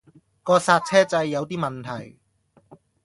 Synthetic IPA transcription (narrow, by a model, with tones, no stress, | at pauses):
kɔː˧saː˧t̚t͡sʰɛː˥t͡sɐ˧jːɐ˨˧wt̪iː˥mɐ˨nt̪ʰɐ˨˩j